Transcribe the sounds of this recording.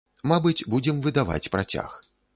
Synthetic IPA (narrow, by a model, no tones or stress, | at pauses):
mabɨt͡sʲbud͡zʲɛmvɨd̪ava̰t͡sʲpɾat͡sʲa̰x